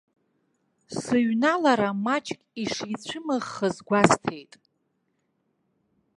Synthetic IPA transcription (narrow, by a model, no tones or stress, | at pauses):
sɨɥnalaɾamat͡ʃʼkʲʼiʂijt͡ɕʷʰɨmɨʁːəzɡʷastʰe̞jtʼ